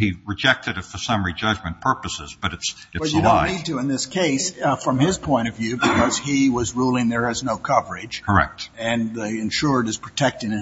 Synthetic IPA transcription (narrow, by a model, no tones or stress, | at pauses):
iɹɨd͡ʒɛk̚tʰɨɾɨtfə˞sʌ̃mɹid͡ʒʌd͡ʒmɨ̃npʰɜ˞pəsɪ̰zb̥ʌɾɨts | ɨbʌɨ̃nid̚tɨɨ̃nðɪskʰeɪsfɹʌ̃mɪz̥pʰɔ̃ɪ̃ɾ̃ʌvjʉbɨkʰʌz̥iwʌzɹulˠɪ̃ŋðə˞ɨznoʊkʰʌvə˞ɪd͡ʒkʰə˞ɛ̰k̚t̚ɨ̃niɨ̃nʃʊɹɾɨz̥pʰɹ̥ɨtʰɛk̚tɪ̃ŋ̃